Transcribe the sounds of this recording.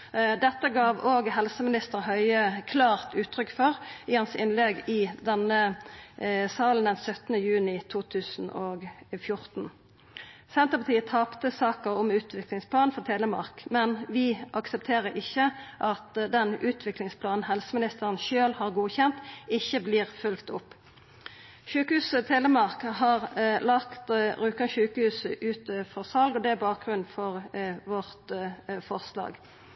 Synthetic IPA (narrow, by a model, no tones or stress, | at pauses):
d̪ɛt̪ːəɡɑːʋoːɡɦɛlsəmɪnɪst̪əɾhœʏəkʰlɑːʁt̪ʉːt̪ʰɾʏkːfɔʁɪhɑnsɪnlɛɡɪd̪ɛnə | sɑːln̩d̪ɛnsœt̪nəjʉːnɪt̪ʰuːt̪ʰʉːsn̩oːɡfjʊʁt̪n̩ | sɛnt̪əpɑt̪iːət̪ʰɑːpt̪əsɑːkəʁɔmʉːt̪ʰʋɪklɪŋspʰlɑːnfɔʁt̪ʰeːləmɑ̰ʁkmɛnʋɪʔɑksəpt̪ʰeːʁəɾɪçːəʔɑt̪d̪ɛnʉːt̪ʰʋɪklɪŋspʰlɑːnn̩hɛlsəmɪnɪst̪əʁənʃøːlhɑʁɡuːçɛnt̪ɪçːəbliːʁfʉlkt̪ʊpː | ʃʉːkəhʉːsət̪ʰeːləmɑʁkɦɑːʁlɑkt̪ʁʉːkɑnʃʉːkəhʉːsəʔʉːt̪əfɔʁsɑlɡɔd̪ɛæbɑːk̚ɡʁʉnnfɔʁʋɔʁt̪fɔʁslɑ̰ːɡ